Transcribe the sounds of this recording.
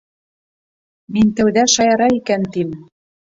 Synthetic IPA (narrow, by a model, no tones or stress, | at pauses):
minʲt̪æwd̪æʃɑjɑɾɑikænt̪im